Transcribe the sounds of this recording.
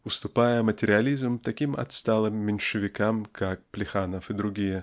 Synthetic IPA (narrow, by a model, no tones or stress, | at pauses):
ʊst̪ʊpajəmətʲɪɾʲɪɐlʲizmt̪ɐkʲimɐ̰t̪st̪alˠɨmːʲɪnʲʂɨvʲɪkamkʰak̚plʲɪxanəfɨd̪ɾʊɡʲijə